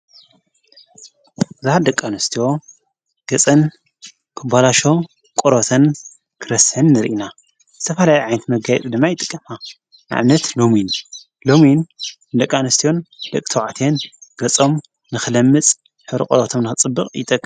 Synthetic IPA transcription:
zahad̪ɐkʼːanɨst̪ʰio̞ | ɡ̥ɐt͡sʼɐn | kʰɨbalaʃo̞ | kʼoɾot̪ʰɐn | kʰɨɾɐsħɨnːɨɾ̰ʔina | zɨt̪ʰɐfɐlajiʕajnɐt̪mɐɡajɛ̰t̪ʼd̪ɨmːajɪt̪ʼɨkʼːɐma | na̰ʕβnɐt̪lomin | lomin | d̪ɐkʼːanɨst̪ʰijo̞nd̪̥ɐkʼt̪ʰɐwʕat̪ʰenɡ̥ɐt͡sʼom | nɨxɨlɐmːɨt͡sʼ | ħɨβɾḭkʼoɾot̪ʰomnɨxɨt͡sʼɨbːɨχʼjɪ̰t̪ʼɐkʼː

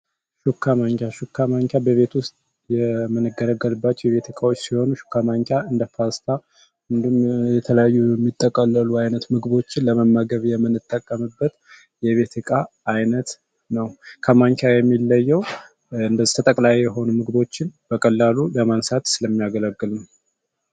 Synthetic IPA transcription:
ʃukʰːamaŋkʰʲjaʃukʰːamaŋkʰʲjabəβe̞t̪wʊst̪ʼ | jɛmənɨɡəɾəɡːəlɨbːat͡ʃːwjɛβe̞t̪ʰəkʼawot͡ʃːsiho̞nuʃu̥kːamaŋkʰʲaɨnd̪əfast̪ʰa | ɨnd̪umjɛt̪ʰələjajːuɛmːit̪ʼːəkʼːəlːəluajnət̪mɨɡbo̞t͡ʃːɪnləməmːaɡəβjɛmːɨnɨt̪ʼːəkʼːəmɨbːət̪ | jɛβe̞t̪ʰɨkʼaː | jnət̪ | nəwkʰəmaŋkʲʰajɛmːilːəjːɛw | ɨnd̪əzːi̥t̪ʰət̪ʼəkʼlajjɛɦo̞numɨɡbo̞t͡ʃːɪnb̥əkʼəlːaluləmansat̪sɨləmːijaɡələɡːɨlɨm

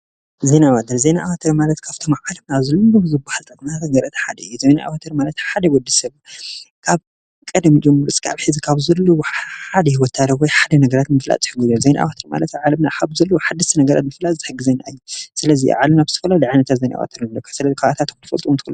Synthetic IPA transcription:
zenaβat̪ʰɐɾzenaʔawat̪ʰɐɾmalɐt̪kʰaβt̪ʰo̞mʕalɐmnaβzɐloomzɨbahalt̪ʼɐkʼmt̪ʰat̪ɡɐɾɨt̪ʰħad̪ɐɨjːuzena̰ʔa̰wat̪ʰɐɾmalɐt̪ħad̪ɐwɔd̪ːisɐlːokʰaβ | kʼɐd̪md͡ʒɨmːɐɾt͡sʼkʰa̰βħɨzikʰaβzɐlːoad̪ɐhiwɔt̪ʰːaɾɐwɔjħad̪ɐnɐɡɐɾat̪nmɨfla̰t̪ʼħɨɡuzozena̰ʔa̰wat̪ʰɐɾma̰lɐt̪aʕalɐmnahabzɐlːoħad̪ːɐst̪ɨnɐɡɐɾa̰t̪mɨflalʼt̪ɨħɨɡːɨzejna̰ʔɨjːusɨlɐzḭa̰ʕalɐmnaβzɨt̪ʰɐ̥fɐlalijʕajnɐt̪ʰat̪zejnaʔa̰wa̰t̪ʰɐɾnlːɐkʰːɐsɨlɐzikʰaat̪ʰat̪kt̪ʰɨfɐlt̪ʼuunt̪ʰɨkɨlːu

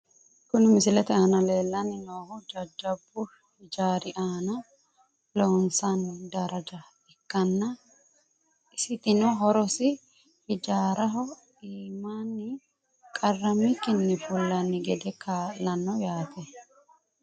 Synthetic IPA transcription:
kʊnɪmɪsɪlɛt̪ɛaːnɐle̞ːlːɐnːɪnoːhʊd͡ʒɐd͡ʒːɐbːʊ | hɪd͡ʒaːɾɪʔaːnɐ | loːnsɐnd̪ɐɾɐd͡ʒɐ | ɛkːɐnːɐ | ɪsɪt̪ɪnɔɦɔɾɔsɪ | hɪd͡ʒaːɾɐɦɔ | iːmanːɪ | kʼɐrːɐmɪkɪnːɪfʊlːɐnːɪɡɛd̪ɛkʰaːʔlːɐnːɔjaːt̪ʰɛ

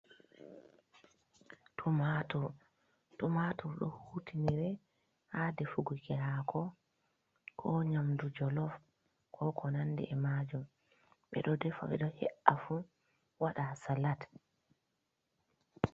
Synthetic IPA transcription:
tʰumatu | tumatuɗɔ̰hutʰiniɾɛ | hadɛfuɡukɛɾakʰɔ | kʰɔɲamdud͡ʒɔlɔf | kʰɔkʰɔnanːdɛ̰ʔɛmad͡ʒum | ɓɛ̰ɗɔdɛfa̰ɓɛ̰ɗɔhɛ̰ʔːafu | waɗasalat

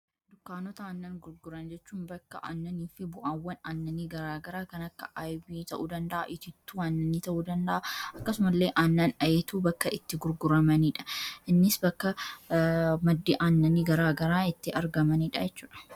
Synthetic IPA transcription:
d̪ʊkːaːnɔt̪ɐaːnːɐnɡʊɾɡʊɾɐnd͡ʒɛt͡ʃːuːnbɐkːɐʔa̰ːnːɐniːfɪbʊʔaːwːɐnaːnːɐniːɡɐɾaːɡɐɾaːkɐnɐkːɐʔaːjbiːt̪ɐʔuːd̪ɐnd̪ɐʔa̰ʔɪt̪ɪt̪ːuːaːnːɐniːt̪ɐʔuːd̪ɐnd̪ɐʔaɐkːɐsʊmɐlːeːʔaːnːɐnɐjeːt̪uːbɐkːɐʔɪt̪ːɪɡʊɾɡʊɾɐmɐniːᶑɐ̥ʔɪnːɪsbɐkːɐ | mɐd̪ːiːʔaːnːɐniːɡɐɾaːɡɐɾaːɪt̪ːɪɐɾɡɐmɐniːᶑɐd͡ʒɛt͡ʃːuːᶑɐ̥

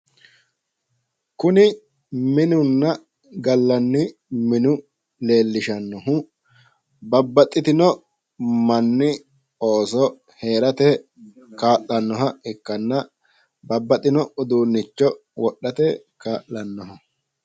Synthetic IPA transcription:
kʊnɪ | mɪnʊnːɐ | ɡɐlːɐnːɪmɪnʊ | le̞ːlːɪʃɐnːɔɦʊ | bɐbːɐt̪ʼːɪt̪ɪnɔ | mɐnːɪ | oːsɔ | he̞ːɾɐt̪ɛ | kaːʔːɐnːɔɦɐɪkːɐnːɐ | bɐbːɐt̪ʼɪnɔʊd̪uːnːɪt͡ʃːɔ | wɔɗːɐt̪ɛ | kaːʔɐnːɔɦɐ

